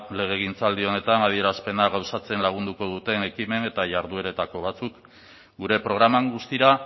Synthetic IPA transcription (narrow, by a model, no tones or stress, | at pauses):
le̞ɣ̞e̞ɣ̞int͡sald̪io̞ne̞t̪anað̞ie̞ɾaspe̞naɣawsat͡se̞nlaɣ̞und̪uko̞ð̞ut̪e̞ne̞kime̞ne̞t̪aʝaɾðue̞ɾe̞t̪ako̞β̞at͡suk | ɡuɾe̞pɾo̞ɣɾamaŋɡust̪iɾa